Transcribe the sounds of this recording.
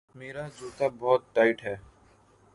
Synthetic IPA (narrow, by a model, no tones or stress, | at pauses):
meːɾad͡ʒuːt̪abɔːt̪̚ʈaːɪʈɦɛː